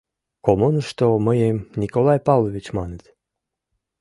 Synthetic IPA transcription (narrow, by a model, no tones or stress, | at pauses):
komunʃt̪oməjemnʲikolˠɑjpɑvlˠovʲit͡ɕmɑnət̪